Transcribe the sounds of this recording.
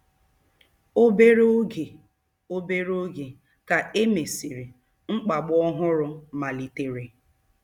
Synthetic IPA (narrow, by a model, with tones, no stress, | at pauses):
o˦be˦ɾo˦ɡe˨ | o˦be˦ɾo˦ɡe˨ | ka˨ʔe˦me˨si˨ɾi˨ | ŋ͡m̩˦k͡pa˨ɡ͡bɔ˦ɦʊ˦ɾʊ˦ma˨li˨te˨ɾe˨